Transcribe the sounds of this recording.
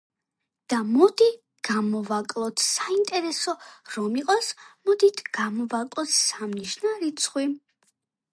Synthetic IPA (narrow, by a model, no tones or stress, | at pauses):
d̪̥amɔd̪i | ɡ̥amɔvakʼlˠɔt̪ʰsaint̪ʼɛɾɛsɔɾɔmiqʼɔsmɔd̪it̪ʰɡ̥amɔvakʼlˠɔt̪ʰsamniʃnaɾit̪sʰχwi